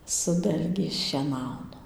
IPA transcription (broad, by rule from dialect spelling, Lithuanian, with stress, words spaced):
sʊ ˈdɐlʲɡʲɛɪs ʃʲiɛˈnɐʊnɐ